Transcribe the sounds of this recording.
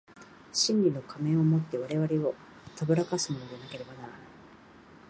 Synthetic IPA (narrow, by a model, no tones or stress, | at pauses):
ɕĩɲʲɾʲino̞kʰamẽ̞o̞mo̞t̪ːe̞β̞aɾe̞βaɾeo̞ | t̪abɯ̟ɾakasɨmo̞no̞ɡanake̞ɾe̞banaɾana